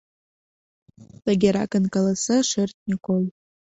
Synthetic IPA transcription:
tʼaɡʲaɾakʼɨnkʼalasɨʂɨrtʼnikʰʼol

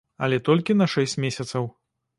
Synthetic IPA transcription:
ɐlʲɛt̪ɔlʲkʲinɐʂɛsʲt͡sʲmʲesʲɐt̪sɐw

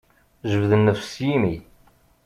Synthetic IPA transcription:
ʒəvðənːəfsjimi

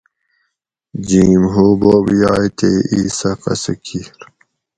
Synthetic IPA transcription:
d͡ʑiːmɦuːboːbjaːit̪ʰeiːsɐqɐ̰sekʰiɾ

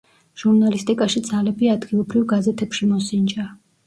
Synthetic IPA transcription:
ʒ̥uɾnalist̪ʼikʼaʃid̪zalɛbiad̪ɡilˠɔbɾivɡazɛt̪ʰɛpʃimɔsind͡ʒa

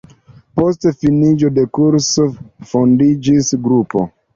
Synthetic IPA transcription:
postfinid͡ʒode̞kuɾsofondid͡ʒisɡɾupo̞̰

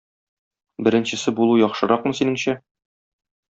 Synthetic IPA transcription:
bɘ̆ɾɘ̆nɕɘ̆sɘbulˠujɒχʃɤ̆ɾɑqmɤ̆sinɘŋɕæ

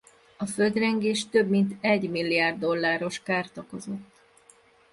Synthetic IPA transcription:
ɒføld̪rɛŋɡeːʃt̪ø̞bmint̪ɛɟmilːijaːrd̪ːo̞lːaːɾo̞ʃkaːrt̪ɒko̞zo̞t̪ː

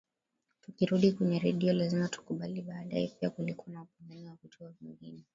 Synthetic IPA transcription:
tukiɾuɗikwɛɲɛɾɛɗiɔlazimatu̥kuɓaliɓaːɗaɛpiakulikuwanaupunaniwavitʰɔaviŋɡinɛ

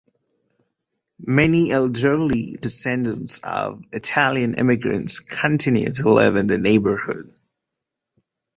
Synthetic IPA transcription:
mɛniɛlˠdə˞lidɨsɛ̃ndə̃ntsʌ̰vɨtʰælˠjɨ̃nʔɪ̰mɨɡɹɨ̰̃ntskʰɨ̃ntʰɪ̃njʉ̰d̚tʰəlɪ̰vɨ̃nðɨneɪbə˞hʊ̰d̥

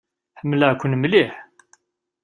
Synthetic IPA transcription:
ħəmləʕkʷːənmliħ

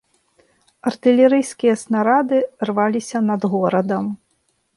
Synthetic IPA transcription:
ɐrt̪ɨlʲɛɾɨjskʲijɐsnaɾad̪ɨrvalʲisʲɐnɐd̪ɣɔɾɐd̪ɐm

